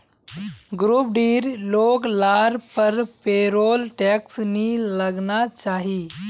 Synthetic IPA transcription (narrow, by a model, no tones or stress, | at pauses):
ɡɾuːp̚ɖiːɾloːɡlaːɾpəɾpeɾoːlʈɛksniləɡnat͡ʃaːɦiː